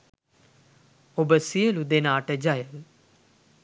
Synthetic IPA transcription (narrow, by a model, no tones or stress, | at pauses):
oːbəsielud̪eːnaːʈɛd͡ʒaːjəl